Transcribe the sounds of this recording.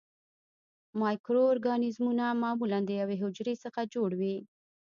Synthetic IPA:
mɑjkɾooɾɡɑnɪzmunamɑmuland̪əjaweɦʊd͡ʒɾesəxad͡ʒoɽwi

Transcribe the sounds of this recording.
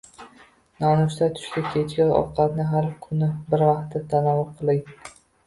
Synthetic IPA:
nɒnʊʃ̬t̪at̪ʰʊ̥ʃkʲakʲʰet͡ʃkʲanɒ̰qʰːɑt̪nɪɦaɾkʰʊnɪbɪɾvɑqt̪ʰːat̪ʰanɒvʊɾqʰɨlˠɪŋ

